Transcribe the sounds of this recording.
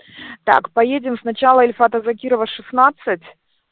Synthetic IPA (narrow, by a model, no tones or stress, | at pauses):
t̪a̰kpɐjedʲɪmsnɐt͡ɕalˠəɪlʲfat̪əzɐkʲiɾəvəʂɨsnat̪sɨtʲ